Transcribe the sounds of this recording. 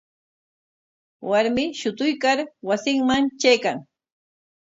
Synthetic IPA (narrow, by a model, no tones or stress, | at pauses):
waɾmɪʃʊt̪ʊjkaɾwasɪŋmaŋt͡ʃajkaŋ